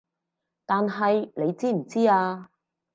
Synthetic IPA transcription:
t̪aː˨nɦɐ˨jle˨˧jt͡siː˥m̩˨˩t͡siː˥aː˧

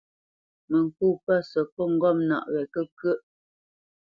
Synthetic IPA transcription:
mə˨ŋ˨ku˦˨pə˦sə˨pɔ˦˨ŋ̩˦ɡɔ˦˨mna̰˨ʔɣɛ˨kə˦kɥə˦ʔ

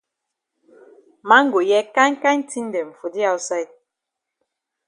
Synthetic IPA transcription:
ma˦ŋ̩˦ɡo˨jɛ˦ka˦ŋ̩˦ka˦n̩˦ti˦n˦de˨ɱ̩˨fo˨di˦a˦wsa˦˨t̚

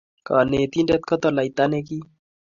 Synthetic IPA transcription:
ka˨ne˨t̪i˦ndɛ˦t̪̚kɔ˦t̪ɔ˨la˨it̪a˦ne˦ki˦

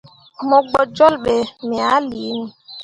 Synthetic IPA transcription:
mɔ˨ɡ͡bɔ˨d͡ʒɔ˦lɓe˨mɛ˨a˦li˨˦nu˨

